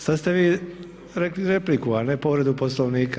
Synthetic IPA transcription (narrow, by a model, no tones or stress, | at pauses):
sad̪st̪e̞ʋiː | ɾekliɾeplikuanepoʋɾe̞d̪uposlˠoʋniːk